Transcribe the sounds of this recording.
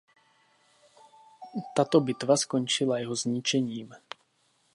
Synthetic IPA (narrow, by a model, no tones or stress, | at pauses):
t̪at̪obɪt̪vaskont͡ʃɪlajɛɦozɲɪt͡ʃɛɲiːm